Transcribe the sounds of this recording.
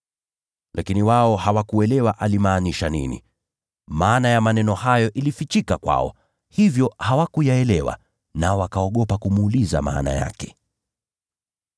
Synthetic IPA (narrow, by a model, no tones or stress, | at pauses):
lʔakiniwaɔhawakuɛlɛwaʔalimaːniʃanḭnḭ | maːnajamanɛnɔhajɔʔilifit͡ʃikakwa̰ɔ̰ | hivjɔhawakujaɛlɛwa̰ | naɔwakaɔɠɔpakumuːliza̰ma̰ːna̰ja̰kɛ̥